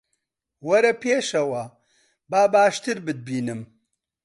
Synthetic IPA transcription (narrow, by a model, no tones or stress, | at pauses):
wɐɾɐpʰeːʃɐwɐ | baːbaːʃt̪ɨɾbɨd̪̚biːnɨm